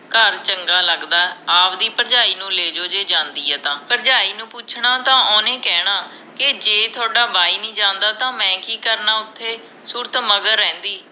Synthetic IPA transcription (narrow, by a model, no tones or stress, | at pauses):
kəɾt͡ʃəŋɡaːləɡd̪aːaːpd̪iːpəɾd͡ʒaːiːnũːleːd͡ʒoːd͡ʒeːd͡ʒãːnd̪iːɛːt̪ãːpəɾd͡ʒaːiːnũːpʊt͡ʃʰɳaːt̪ãːʔoːnẽːkɛːɽ̃aː | kɪd͡ʒeːt̪ʰʊaːɖaːbaːiːnĩːd͡ʒãːnd̪aːt̪ãːmɛ̃ːkiːkəɾnaːʊt̪ʰːeː | suːɾt̪məɡəɾːɛ̃ːnd̪iː